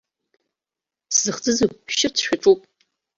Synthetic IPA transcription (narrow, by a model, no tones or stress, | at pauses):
szɨχt͡sʼɨzɨʃɪrt͡sʰʃᶣaʈ͡ʂʼupʼ